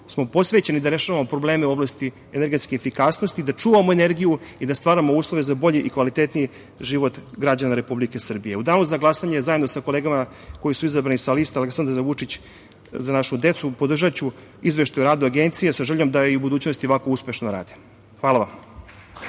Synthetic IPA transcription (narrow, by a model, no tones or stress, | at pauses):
smo̞po̞sʋet͡ɕenid̪aɾe̞ʃaʋamo̞pɾo̞ble̞ːmeuo̞blast̪i | ene̞ɾɡet̪skeefikaːsnost̪id̪at͡ʂuːʋamo̞ene̞ɾɡijuid̪ast̪ʋaːɾamouːslˠo̞ʋezabo̞ʎiʔikʋalit̪et̪niji | ʒiːʋo̞t̪ɡɾad͡ʑanaɾe̞publikesr̩bije̞ud̪aːnuzaɡlˠasaɲezajed̪nosako̞leːɡama | ko̞jisuizabɾanisalist̪aleksand̪ɾaɾaʋut͡ʂit͡ɕ | zanaʃud̪e̞t̪supod̪r̩ʒat͡ɕu | izʋe̞ʃt̪ajuɾaːd̪uaɡent̪sijesaʒeʎo̞md̪ajiubud̪uːt͡ɕno̞st̪ioakouspeʃnoɾa̰ːd̪i̥ | xʋaːlaʋam